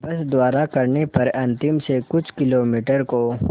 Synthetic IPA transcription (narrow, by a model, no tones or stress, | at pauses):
bɐsd̪ʊwaːɾakɐɾnepɐɾɐ̃nt̪ɪmsekʊt͡ʃʰkɪloːmiːʈəɾko